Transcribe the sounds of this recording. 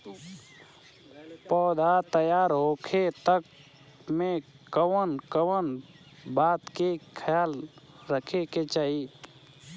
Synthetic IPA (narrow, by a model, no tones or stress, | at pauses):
pɔːd̪at̪əjaːɾɦoːkʰet̪ək | mẽ | kəwənkəwən | baːt̪kekʰəjaːl | ɾəkʰeket͡ʃaːi